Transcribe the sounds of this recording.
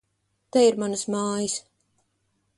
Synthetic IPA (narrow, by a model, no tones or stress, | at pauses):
t̪ɛiɾmanɨsmaːjis